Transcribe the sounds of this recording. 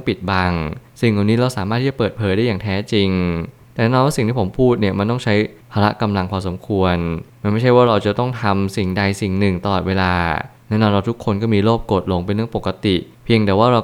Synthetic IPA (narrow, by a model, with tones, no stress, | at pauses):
pi˨˩t̪̚ba˧˩ŋsi˨˩ŋla˨˩wniː˦˥ɾa˧wsaː˩˦aː˥˩i˥˩t͡ɕa˨pɤː˨˩t̪̚pʰɤː˩˦jɾa˥˩jaː˨˩ŋt̪ʰɛː˦˥t͡ɕi˧ŋ | t̪ɛː˨˩nɛː˦˥nɔ˧nwaː˥˩si˨˩ŋt̪ʰiː˥˩po˩˦mpʰuː˥˩t̪̚ni˥˩əma˧˥nt̪ɔ˥˩ŋt͡ɕʰa˦˥jpʰaː˧ɾa˦˥ka˧mla˧ŋkʰwaː˧so˩˦mkʰu˧ənma˥nma˥˩jt͡ɕʰa˥˩jwaː˥˩ɾa˧wt͡ɕa˨˩t̪ɔ˥˩ŋt̪ʰa˧msi˨˩ŋda˧jsi˨˩ŋnɯ˨˩ŋt̪a˧lɔː˨˩t̪̚weː˧laː˧nɛː˦˥nɔ˧nɾa˧wt̪ʰu˦˥kʰːo˧nkɔː˥˩miː˧loː˥˩p̚ko˨˩t̪̚lo˧ŋpa˧jnɯ˥˩əŋpo˨˩kːa˧t̪i˨˩ | pʰi˧əŋt̪ɛː˨˩waː˥˩ɾa˧w